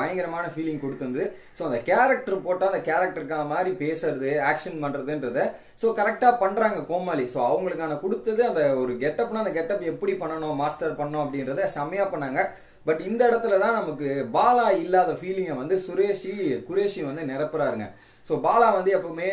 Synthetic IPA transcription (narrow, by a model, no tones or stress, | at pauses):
ɐjɐŋɡɪɾɐmaːnɐfiːlɪ̃ŋɡkɔɽɯt̪ːɯndɐðɯ | soːɐnd̪ɐkaːɾɐk̚ʈɐɾpoːʈːaːɐnd̪ɐkaːɾɐk̚ʈɐɾkːaːnɐmaːd̪ɾipeːsɯɾɐðɯaːkʂɐnpɐɳɾɐðɯnɾɐðɯ | soːkɐɾɛk̚ʈaːpɐɳːɾaːŋɡɐkoːmaːlisoːɐʋɐŋɡɐɭɯkːaːnɐkɔɽɯt̪ːɐðɯɐnd̪ɐɔɾɯɡɛʈːɐpːnaːɐnd̪ɐɡɛʈːɐpːɛpːɐɽipɐɳːɐɳʊ̃maːsʈɐɾpɐɳːɐːʊ̃ɐpːɐɽɪnɾɐðɯsɐmɐjaːpɐɳːaːŋɡɐ | bɐʈːɪnd̪ɐɪɽɐt̪ːɯlɐt̪ãːnɐmɐkːɯbaːlaːɪlːaːðɐfiːlɪŋɡɐʋɐnd̪ɯsʊɾeːʂikʊɾeːʂiʋɐnd̪ɯnɛɾɐpːɯɾaːɪɾɯŋɡɐ̰ | soːbaːlaːʋɐnd̪ɯɐpːɐɯmeː